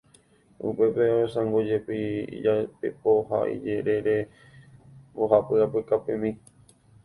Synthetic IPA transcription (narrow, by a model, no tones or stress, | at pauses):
ṵpe̞peosãŋɡod͡ʒepiḭd͡ʒapḛpoɦa̰ḭd͡ʒeɾeɾe̞ | moɦapɨapɨkapẽmĩ